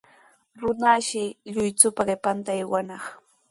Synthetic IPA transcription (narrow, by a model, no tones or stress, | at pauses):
ɾʊnaʃɪʎʊjt͡sʊpaɢɪpant̪ajwanɑχ